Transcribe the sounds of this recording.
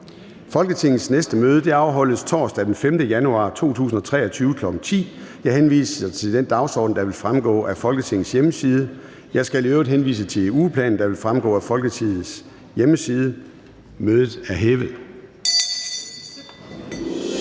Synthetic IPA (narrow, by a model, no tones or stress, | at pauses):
fɒ̽lɡ̥ət͡sʰe̝ŋ̰ð̩snesd̥əmøːðˠəd̥e̝ɑ̈ʊɦɒ̽l̰əst͡sʰɒ̰ːsd̥æd̥en̩femd̥əjænuɑ̰̈ːt͡sʰo̝̰ːt͡sʰṵːsn̩ɒ̽t͡sʰʁɛ̰ːɒ̽t͡sʰyːʊəkʰlɒ̽ɡ̥ŋ̩t͡sʰḭːjɑ̈ɪhenʋḭːsəsɑt͡sʰe̝d̥end̥ɑ̈ʊsɒ̰ːd̥n̩d̥ɑ̈ʋe̝lfʁamɡ̥ɔ̰̽ːʔæfɒ̽lɡ̥ət͡sʰe̝ŋn̩sjeməsiːð̞ˠə | jɑ̈ɪsɡ̥æliøʊɐd̥ɦenʋḭːsət͡sʰe̝uːpʰlɛ̰ːn̩d̥ɑ̈ʋe̝lfʁamɡ̥ɔ̰ːæfɒ̽lɡ̥ət͡sʰið̩ˠs | jeməsiːð̞ˠə | møːð̞ˠð̩ˠæɐɦeʋəð̩ˠ